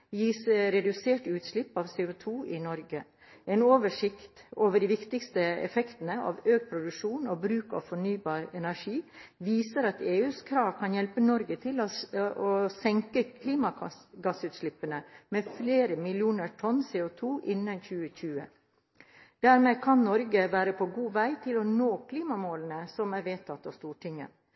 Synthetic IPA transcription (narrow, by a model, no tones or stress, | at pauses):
jiːsəɾɛd̪ʉseːʈʉːt̪ʃlɪpːɑːʋseːʊt̪ʰuːʔɪnɔɾɡə | ʔeːnoːʋəʂɪkt̪oːʋəɖiːʋɪkt̪ɪkst̪əɛ̰fɛkt̪ən̩əɑ̰ːʋøːɡ̚pʰɾʊd̪ʉʂuːnoːbɾʉːkɑ̰ʋfɔɳyːbɑːɾɛnæʂiːʋiːsəɾɑt̪eːʉːskʰɾɑːʋkʰɑnjɛlpənɔɾɡət̪ʰɪloosɛŋkəkʰliːmɑɡɑsʉːt̪ʃlɪpːənəmefleːɾəmɪljuːnəʈʰɔnseːʊt̪ʰuːʔɪnːənçʉːəçʉːə̰ | d̪̥æːɾmeːkʰɑnnɔɾɡəʋæːɾəpʰɔɡuːʋæɪt̪ʰɪlɔnoːkʰliːmɑmoːlənəsɔmæɾʋeːt̪ʰɑt̪ːɑʋst̪uːʈɪŋːə̰